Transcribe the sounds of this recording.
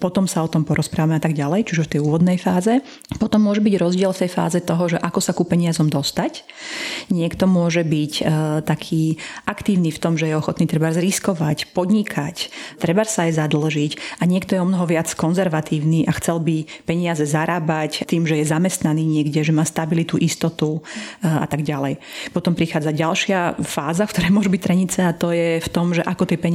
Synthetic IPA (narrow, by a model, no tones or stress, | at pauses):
pɔt̪ɔmsaɔt̪ɔmpɔɾɔspɾʔaːʋamɛat̪aɡɟalɛjt͡ʃuʒft̪ɛjuːʋɔd̪nɛjfaːzɛ | pɔt̪ɔmːʊɔʒɛbiɟɾɔzɟɪɛlft̪ɛjfa̰ːzɛt̪ɔɦɔʒɛʔakɔsakupɛɲɪazɔmd̪ɔst̪ac | ɲɪɛkt̪ɔmʊɔʒɛbict̪akʰiːʔakt̪iːʊniːft̪ɔmʒɛjɛɔxɔt̪niːt̪ɾɛbaɾzɾiskɔʋacpɔd̪ɲikʰact̪ɾɛbaɾsaːjzad̪l̩ʒicaɲɪɛkt̪ɔjɛɔmnɔɦɔʋɪat͡skɔnzɛɾʋat̪iːʊniːʔaxt͡sɛlbipɛɲɪazɛzaɾaːbact̪iːmʒɛjɛzamɛst̪naniːɲɪɛɡɟɛʒɛmaːst̪abilit̪uʔist̪ɔt̪uʔa̰t̪aɡɟalɛjpɔt̪ɔmpɾixaːd͡zaɟalʃɪafaːzafkt̪ɔɾɛjmʊɔʒubict̪ɾɛɲit͡sɛat̪ɔjɛft̪ɔmʒɛʔakɔt̪ɛpɛɲ